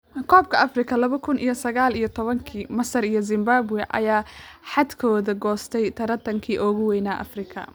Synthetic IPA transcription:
kʰɔːb̚kʰɐɐfrɪkʰɐlɐβɐkʰʊnʔḭjɔsɐɣaːlijɞt̪ʰɔβɐŋkʰiːmɐsɐɾijɔzɪmbaːbwɛʔɐ̰jaːħad̪kʰɔːðɐɡɔːst̪ʰɛjt̪ʰɐɾɐt̪ʰɐŋkʰiːʔɔːɣʊwɛjnaʔɐ̰frɪkʰɐ̰

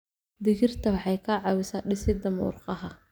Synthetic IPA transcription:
d̪ɪɣɪrt̪ʰɐwɑħɑjkʰɐʕɑwɪsaːɖɪsɪd̪ɐmṵːrqɑɦɐ

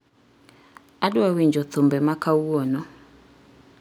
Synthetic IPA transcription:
adwawiɲd͡ʒɔt̪ombɛmakauɔnɔ

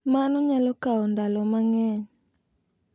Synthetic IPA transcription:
manɔɲalokaɔndalɔmaŋɛɲ

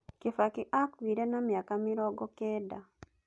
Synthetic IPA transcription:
kifakiʔakwiːɾenamjakamiɾɔːɡɔkeːda

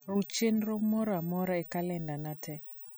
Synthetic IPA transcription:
rut͡ʃenɾomɔɾamɔɾaɛkalɛndanatʰɛ

